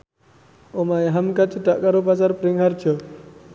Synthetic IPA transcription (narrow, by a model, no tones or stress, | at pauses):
omajaɦamkat͡ʃəɖ̥aʔkaɾopasarpəɾɪŋɦar̥ʒ̥ɔ